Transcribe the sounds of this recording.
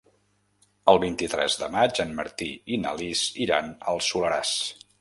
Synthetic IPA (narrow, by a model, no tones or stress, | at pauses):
əlˠβint̪it̪ɾɛ̰zðə̰mad͡ʒənːə̰ɾt̪iinə̰liziɾanə̰lˠsuləɾas